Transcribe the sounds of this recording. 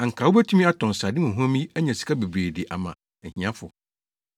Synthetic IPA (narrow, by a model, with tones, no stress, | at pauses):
ã˨ŋ̩˨kʰa˨wo˦bæ˦tʰũ˦mĩ˦a˦tʰɔ̃˨n̩˨sa˨dɪ˦mʊ̃˨ɦɔ̃˦mĩ˦æ˦ɲɛ̃˨si̥˨kʰa˦be˨bɾeː˨de˨ʔa̰˨mã˨ | ɛ˨hĩ˨ã˦fʊ˨